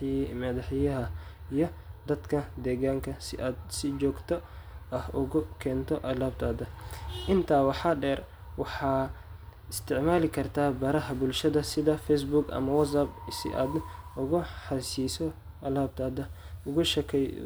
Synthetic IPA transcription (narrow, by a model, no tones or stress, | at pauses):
mɐd̪ɐħjɐɦɐijɔd̪ɐd̪kʰɐd̪ɛːɣaːŋkʰɐsɪd̪sɪd͡ʒɔːɡt̪ʰɔʔɐhʔʊɣʊkʰɛːnt̪ʰɔʔɐlaːb̚t̪ʰaːd̪ɐʔɪnt̪ʰaːwɑħɑɖɛːr | wɑħɑː | ɪst̪ʰɪʕmaːlɪkʰɐrt̪ʰaːbɐɾɐɦɐbʊlʃɐðɐsɪðɐfɛjs̬bʊɡɐ̰mɐwɐs̬ɐbsɪ̰ʔa̰ːd̪ʊɣʊħɑsiːsɔ | ʔɐlaːb̚t̪ʰaːd̪ɐʊɣʊʃɛkʰɛj